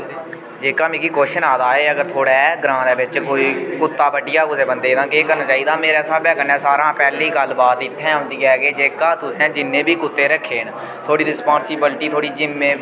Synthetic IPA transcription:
d͡ʒeːkaːmẽːkiːkoːʃənaːd̪aːeːəɡəɾt̪ʰoːɽɛːɡɾãːɛːbɪt͡ʃkoːiːkʊt̪ːaːbəɖɪjaːkʊseːbənd̪eːd̪ãːkeːkəɾnt͡ʃaːiːd̪aːmeːɾɛːsaːbaːkənɛ̃ːsaːɾãːpɛːliːɡəlbaːt̪ɪt̪ʰːɛ̃ːʊ̃nd̪iːɛːɡeːd͡ʒeːkaːt̪ʊsɛ̃ːd͡ʒɪnːẽːbʱiːkʊt̪ːeːɾəkʰːeːn | t̪ʰoːɽiːɾɪspaːnsɪbɪlʈiːt̪ʰoːɽiːd͡ʒɪmːẽː

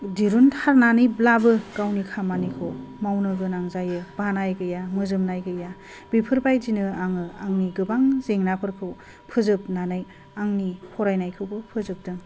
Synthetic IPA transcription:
diɾuntʰaɾnanɯjblabɯɡ̥awnikʰamanikʰowmawnɯɡɯnaŋzajɯb̥anajɡɯjamɯzɯmnajɡɯja | bipʰɯɾbajzinɯaŋɯaŋniɡɯbaŋzeŋnapʰɯɾkʰɯw | pʰɯzɯp̚nanɯj | aŋnipʰɔɾajnajkʰɯwbɯpʰɯzɯp̚dɯŋ

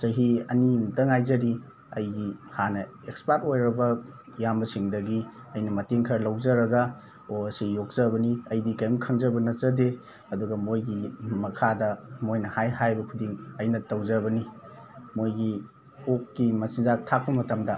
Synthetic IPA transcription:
sɐɦiɐnimdɐŋajzɐɾi | ɐjɡihanɐ | ekspat̚ojɾɐbɐ | jambɐsiŋdɐɡi | ɐjnɐmɐteŋkʰɐɾlɐwd͡ʒɐɾɐɡɐ | oɐsijok̚z̥ɐbɐniɐjdikajɐmkʰɐŋzɐbɐnɐt͡ʃɐde | ɐduɡɐmojɡimɐkʰadɐmojnɐhajhajbɐkʰudiŋɐjnɐtɐwzɐbɐni | mojɡi | okːimɐsinzak̚tʰak̚pɐmɐtɐmdɐ

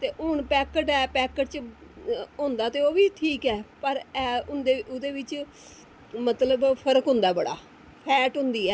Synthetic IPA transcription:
t̪eːʔʊɳpɛːkəʈɛːpɛːkəʈt͡ʃ | ɦʊ̃nd̪aːt̪eːoːʋiːʈʰiːkɛːpəɾɛːʊnd̪eʊd̪eːʋɪt͡ʃ | mət̪ləbpʰəɾəkɦʊ̃nd̪aːbəɽa̰ː | pʰɛːʈɦʊ̃nd̪iːɛː

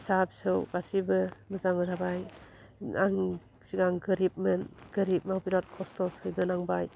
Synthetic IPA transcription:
sapsɯwbasibɯmɯzaŋɯɾabaj | aŋ | siɡaŋɡɯɾip̚mɯnɡ̥ɯɾip̚mawbiɾɔt̚kʰɔstʰɔsɯjbɯnaŋbaj

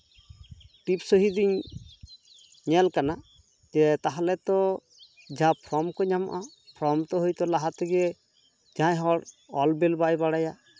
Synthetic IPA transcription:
ʈipsɔɦid̪iɲ | ɲɛlkana | d͡ʒɛt̪aɦalɛt̪ɔ | d͡ʒapʰɾɔmkɔɲama̰ʔa | pʰɾɔmt̪ɔɦojt̪ɔlaɦat̪ɔɡɛ | d͡ʒãjɦɔɽ | ɔlbɛlbajbaɽaja

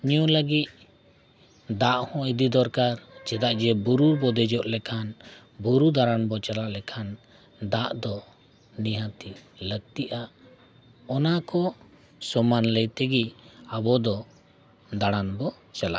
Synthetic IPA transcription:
ɲijɔləɡit̪̚ | d̪aʔhɔ̃id̪id̪ɔɾkaɾt͡ʃɛd̪aʔd͡ʒɛbuɾuɾbɔd̪ɛd͡ʒɔʔlɛkʰan | buɾud̪aɽanbɔt͡ʃalaʔlɛkʰan | d̪aʔd̪ɔ | niɦãt̪iləɡ̚t̪iʔaʔ | ɔnakɔ | sɔmanləjt̪ɛɡiabɔd̪ɔ | d̪aɽ̃anbɔ | t͡ʃala̰ʔ

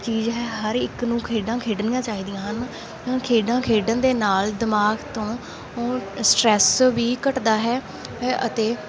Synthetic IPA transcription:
t͡ʃiːzɦɛːɦəɾɪknũːkʰeːɖãːkʰeːɖnɪjãːt͡ʃaːiːd̪ijãːɦən | ãːkʰeːɖãːkʰeːɖənd̪eːnaːld̪ɪmaːɡt̪õː | oːsʈɾɛːsʋiːkəʈd̪aːɦɛː | ʔə̰t̪eː

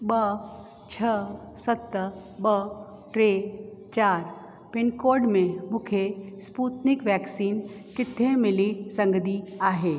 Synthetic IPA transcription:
bə | t͡ʃʰə | sət̪ːəbə | ʈɾet͡ʃaːɾ | pɪnkoːɾɖmẽmʊkʰespuːt̪nɪkʋɛːksiːn | kɪt̪ʰːẽmɪlisə̃ŋɡəd̪iaːɦeː

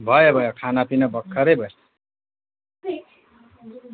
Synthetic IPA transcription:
bʱʌjobʱʌjokʰanapinʌbʌkʰːʌɾejbʱʌs

